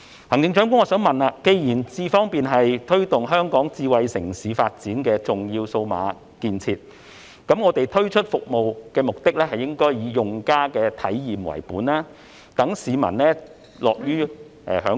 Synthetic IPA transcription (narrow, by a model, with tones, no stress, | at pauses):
hɐ˨˩ŋt͡sɪ˧ŋt͡ʃœː˨˥ŋkʷʊ˥ŋɔː˧sœː˨˥ŋmɐ˨naː˧ke˧jjiː˨˩nt͡siː˧fɔː˥ŋpiː˨nɦɐ˨jt̪ʰɵ˥ɥt̪ʊ˨ŋɦœː˥ŋkɔː˨˥ŋt͡siː˧wɐ˨jsɪ˨˩ŋsiː˨˧faː˧t̚t͡siː˨˥nkɛː˧t͡sʊ˨ŋjiː˧wso˧wma̰ː˨˧ | kiː˨˧nt͡sʰiː˧t̚ | kɐ˨˥mŋɔː˨˧t̪e˨jt̪ʰɵ˥ɥt͡ʃʰɵ˥t̚fʊ˨k̚mo˨wkɛː˧mʊ˨k̚t̪ɪ˥k̚lɛː˥hɐ˨jːɪ˥ŋkɔː˥jjiː˨˧jʊ˨ŋkaː˥kɛː˧t̪ʰɐ˨˥jjiː˨mwɐ̰˨˩jpuː˨˥nlaː˥ | t̪ɐ˨˥ŋsiː˨˧mɐ̰˨˩nlɛː˥ | lɔː˨k̚jyː˥ | ʔɛ̰˨hœː˨˥